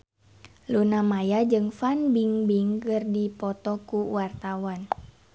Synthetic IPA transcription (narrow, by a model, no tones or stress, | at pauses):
lunamajad͡ʒɨŋfanbiŋbiŋkɨrdipɔt̪ɔkuwart̪awan